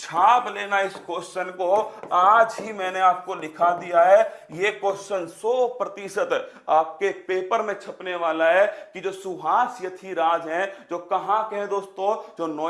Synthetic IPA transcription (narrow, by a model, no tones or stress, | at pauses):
t͡ʃʰaːpleːnaɪskoːsʃənkoaːd͡ʒɦimɛ̃ːneaːp̚kolɪkʰad̪ijaɦɛjekoːʃənsɔːpɾət̪isət̪aːp̚kepeːpəɾmẽt͡ʃʰəpneʋaːlaɦɛkid͡ʒoːsʊɦaːsjət̪ʰiɾaːd͡ʒɦɛ̃d͡ʒoːkɐɦãkeɦɛ̃d̪oːst̪õd͡ʒoːnɔː